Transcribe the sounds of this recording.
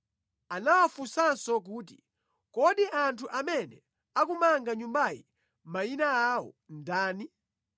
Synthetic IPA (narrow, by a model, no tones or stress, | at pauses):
anawafusansɔk̬uːt̬i | kɔɗiʔantʰuʔamɛnɛ | ak̬umaŋɡaɲumbajḭ | mainaaɔ̰ndaːni